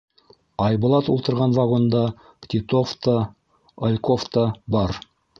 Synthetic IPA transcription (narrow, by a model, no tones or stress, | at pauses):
ɑjbŏlˠɑt̪ṵlˠt̪ɤ̆ɾʁɑnvɑʁond̪ɑ | kt̪ʲit̪oft̪ə | olʲkoft̪əbɑɾ